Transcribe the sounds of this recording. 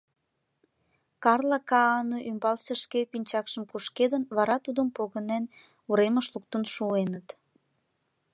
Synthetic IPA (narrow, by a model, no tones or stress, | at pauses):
kɑrlɑkɑɑnoʔymbɑlseʃkepinʲt͡ɕɑkʃəmkuʃked̪ənβɑɾɑt̪ud̪əmpoɣənen | uɾeməʃluk̚t̪ənʃuenət̪